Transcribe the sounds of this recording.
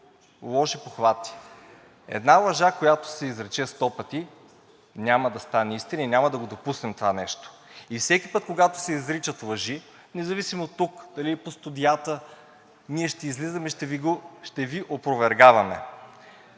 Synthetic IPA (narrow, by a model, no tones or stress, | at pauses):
lˠɔʃipoxvat̪i̥ | ɛ̰d̪nalˠɐʒakojat̪o̥sɛizɾɛt͡ʃɛst̪ɔpɐt̪i | nʲamɐd̪ɐst̪anɛist̪inəinʲamɐd̪ɐɡod̪opusnɛmt̪ovanɛʃt̪o̥ifsɛkʲipɤt̪koɡat̪o̥sɛizɾit͡ʃət̪lˠɐʒi | nɛzɐvisimot̪ːukd̪̥ɐlipost̪ud̪ijat̪ə | niɛʃt̪ɛizlizɐmɛʃt̪ɛviɡoʃt̪ɛviʔopɾovɛɾɡavɐmɛ̰